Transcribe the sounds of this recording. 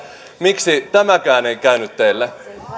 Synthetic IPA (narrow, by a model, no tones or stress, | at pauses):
miksit̪æmækæːneikæynyt̪t̪ːelːe